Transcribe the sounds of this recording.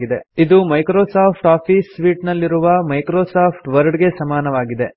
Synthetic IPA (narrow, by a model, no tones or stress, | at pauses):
ɡid̪e̞id̪umɐjkɾoːsaːpʰʈaːpʰiːsʋiːʈnɐlːiɾuʋɐmɐjkɾoːsaːpʰʈʋɐɾɖɡe̞sɐmaːnɐʋaːɡid̪e̞